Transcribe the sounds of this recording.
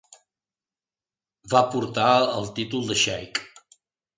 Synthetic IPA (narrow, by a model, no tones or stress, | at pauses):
bapuɾt̪aəlˠt̪it̪ulˠd̪əʃɛjk